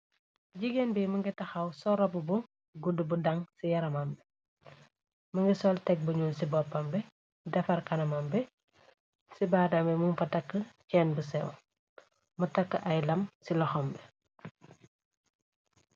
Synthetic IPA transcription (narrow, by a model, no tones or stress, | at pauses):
ɟiɡenbimɐŋɡɛtɐxɐwsɔɾɐbubu | ɡudubudɐŋsijɐɾɐmɐmbɛ | mɐŋɡisɔltɛk̚buɲuːnsibɔpːɐmbɛ | dɐfɐrkɐnɐmɐmbɛ | sibaːdɐmbɛmuŋfɐtɐkːəcɛːnbusɛw | mutɐkːəʔɐjlɐmsilɔxɔmbɛ